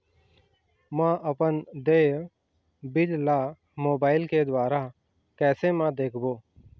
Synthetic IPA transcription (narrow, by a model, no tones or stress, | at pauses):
mãʔəpənd̪eː | bɪllaː | moːbaːɪlked̪waːɾa | kɛːsemãd̪eːkʰboː